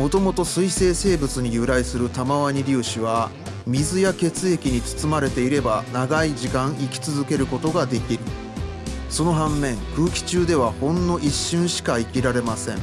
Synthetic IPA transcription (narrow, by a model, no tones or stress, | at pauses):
mo̞t̪o̞mo̞t̪o̞sɨise̞ːse̞ːbɯ̟t͡sɨɲ̟ijɯ̟ɾaisɨɾɯ̟t̪amaβaɲ̟iɾʲɨːɕiβ̞a | mʲizɨjake̞t͡sɨe̞kʲiɲ̟it͡sɨ̥t͡sɨmaɾe̞t̪e̞iɾe̞banaɡaiʑikãɰ̃ikʲi̥t͡sɨzɨke̞ɾɯ̟ko̞t̪o̞ɡad̪e̞kʲiɾɯ̟ | so̞no̞ɦãmːẽ̞ŋkɯ̟ːkʲi̥t͡ɕɨːd̪e̞β̞ahõ̞nːo̞ʔiɕːɨ̃ɰ̃ɕi̥kaikʲiɾaɾe̞masẽ̞ŋ